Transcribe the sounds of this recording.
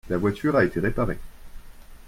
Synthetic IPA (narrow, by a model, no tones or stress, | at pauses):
lavwat̪ʰyʁaet̪eʁepaʁḛ